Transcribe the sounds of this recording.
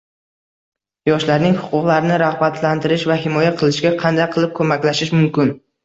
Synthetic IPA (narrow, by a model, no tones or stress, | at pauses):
jɒʃlaɾnɪŋhʊ̥qʰʊqlˠaɾɪnɪɾaʁbat̪ʰlant̪ʰɪɾɪʃvaɦɪmɒjaqʰɨlˠɪʃɡʲaqʰɑnd̪ajqʰɨlˠɪp̚kʰɵmakʲlaʃɪʃmʊmkʲɪn